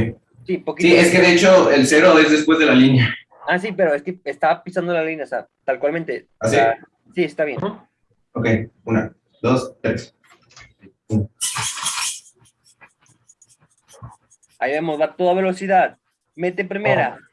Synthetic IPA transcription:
sipokiieskeðeet͡ʃoelseɾoezðespwe̞zðe̞lalinja | as̬ipe̞ɾo̞e̞skeest̪apisand̪olalinjaosḛ | t̪alkwalmẽnt̪e̞ | asia | sie̞st̪aβjenn | okejuna | d̪o̞st̪ɾes | un | aiβe̞mo̞zβat̪o̞ðaβe̞lo̞siðað | me̞t̪epɾime̞ɾa

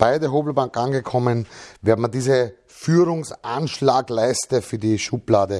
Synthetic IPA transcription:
b̥aɪdeɐɦoːbl̩baŋkʔanɡəkʰɔmənvɛːɐdmdiːzə | fyːʁʊŋsʔanʃlaːɡlaɪstəfyːɐdiʃuplaːdə

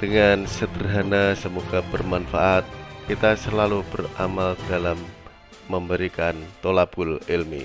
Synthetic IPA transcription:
d̥əŋansəd̪ərɦanasəmuɡabərmanfaʔat̪̚kit̪asəlalubəramald̥alamː | əmbəɾikant̪olabʊlilmḭ

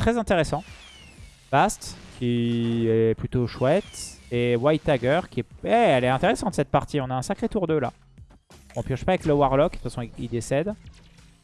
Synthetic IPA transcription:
t̪χɛzɛ̃t̪eʁesɑ̃ | b̥ast̪kʲiɛplyt̪oʃwɛt̪ewajt̪ːaɡʲœʁkʲiɛɛɛlɛɛ̃t̪eʁesɑ̃t̪sɛt̪̚paʁt̪iɔ̃naɛ̃sakχet̪uʁd̪øla̰ | ɔ̃pjɑ̃ʃpaːvɛkləwaʁlɔkd̪ə̥tfasɔ̃iid̪esɛd̪

